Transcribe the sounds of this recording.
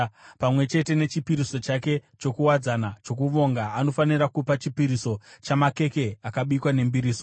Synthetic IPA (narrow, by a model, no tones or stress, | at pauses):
pamwe̞t͡ʃe̞te̞ne̞t͡ʃipiɾiso̞t͡ʃake̞t͡ʃo̞kuwad͡zanat͡ʃo̞kuʋo̞ŋɡaːno̞faniɾakupat͡ʃipiɾiso̞t͡ʃamake̞ke̞akaɓuikwane̞mbiɾiːso